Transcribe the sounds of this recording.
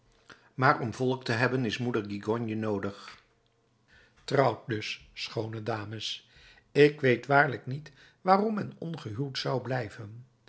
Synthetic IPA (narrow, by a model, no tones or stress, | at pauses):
maːɹɔmvɔlˠək̚təɦɛbənɪsmudəɹɡiɡɔnjənowdəχ | trɑwt̚dɵssχownədaːməs | ɪkʋejtʋaːɹləknit | ʋaːrɔmɛnɔnχəɦylˠtsʌwblɛjvən